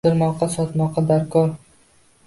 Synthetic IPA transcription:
ɪɾmɒqɑsɒt̪mɒqɑd̪aɾkʰɒɾ

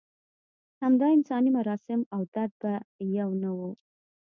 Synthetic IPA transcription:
hamd̪ɑɪnsɑnimʊɾɑsɪmawt̪ad̪̚bajawnawu

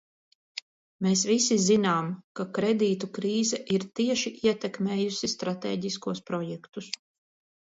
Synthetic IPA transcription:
meːsvisizinaːmkakɾɛd̪iːt̪ukɾiːzɛʔiɾt̪iɛʃiʔiɛt̪ɛkmeːjusist̪ɾat̪ḛːɟiskuɔspɾɔjɛkt̪us

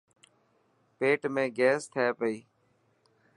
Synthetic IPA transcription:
peːʈmẽːɡɛːst̪ʰaːpəiː

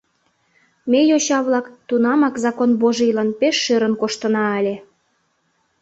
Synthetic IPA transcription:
mejoɕɑβlɑkt̪unɑmɑkzɑkonboʒilɑnpeʃːøɾənkoʃt̪ənɑəlʲe

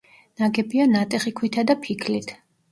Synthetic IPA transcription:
naɡɛbianat̪ʼɛχikʰwit̪ʰad̪apʰikʰlit̪ʰ

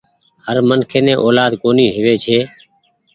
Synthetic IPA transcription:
həɾmənkʰeːnɛ̃ːʔoːlaːd̪koːniːɦɪʋeːt͡ʃʰeː

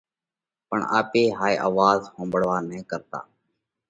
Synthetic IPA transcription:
pəɳa̰ːpeːɦaːiːʔa̰ːʋaːzhõːmbəɽʋaːnɛ̃ːkəɾt̪a̰ː

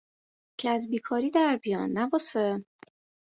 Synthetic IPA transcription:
cʰeæzbiːkʰɒːɾiːd̪æɾbijɒːnːæbɒːse

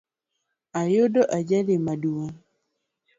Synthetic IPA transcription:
ajodoʔad͡ʒademaduan

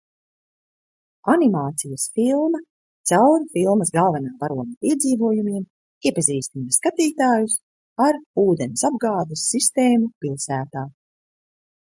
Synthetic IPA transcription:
animaːt̪sijɐsfilˠmɐ | t̪sawɾfilˠmɐsɡalˠvɛnaːpaɾuɔmapiɛd̪ziːvuɔjumiɛm | iɛpaziːst̪inaskat̪iːt̪aːjus | aɾuːd̪enisabɡaːd̪usːist̪eːmupilˠsæːt̪aː

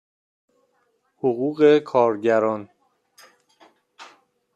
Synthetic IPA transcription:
hoɣuːɣe̞kʰɒːɾɟæɾɒːn

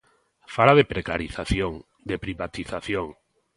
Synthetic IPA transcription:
faɾaðepɾeka̰ɾiθaθjoŋ | d̪epɾiβat̪iθaθjoŋ

